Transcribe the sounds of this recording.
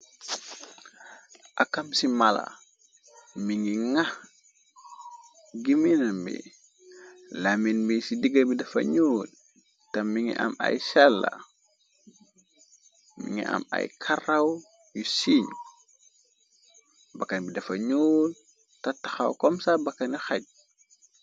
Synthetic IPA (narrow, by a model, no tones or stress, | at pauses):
ʔakamsimala̰ | miŋɡiŋah | ɡiminambḭ | laminbisidiɡabidɐfa̰ɲoːl | tamiŋḭʔa̰ma̰jsalːa̰ | mḭŋḭʔa̰ma̰jkʰaraw | jusiɲu | bakanbidafaɲol | tataxa̰wkomsabakːanjixaɟ̚